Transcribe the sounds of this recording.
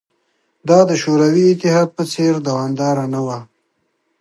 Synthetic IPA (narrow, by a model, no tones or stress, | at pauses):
d̪ɑd̪əʃoɾawiɪt̪ɪɦɑd̪̚pət͡seɾd̪awɑmd̪ɑɾanawa